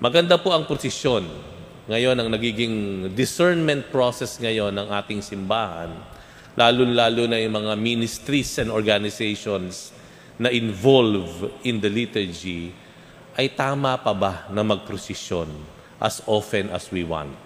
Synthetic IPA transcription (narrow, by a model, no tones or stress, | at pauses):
mʔɐɡɐnd̪apoʔɐŋpɾosɪsjo̞n | ŋɐjo̞nɐŋnɐɡiːɡɪŋd̪ɪsɛɹnmɛnt̪̚pɹosɛsŋɐjo̞nɐŋʔaːt̪ɪŋsɪmbaːhɐ̰n | lʔaːlʊnlaːlʊnɐjʊŋmɐŋaminɪst̪ɾisɛnd̪oɹɡanɪsɛjʃons | nɐʔɪnvolvʔɪnd̪ɐlit̪ɛɹd͡ʒi | ʔɐjt̪aːmɐpɐbanɐmɐɡ̚pɾosɪʃjon | ʔɐ̰sʔofɛnɐ̰swiwã̰nt̪̚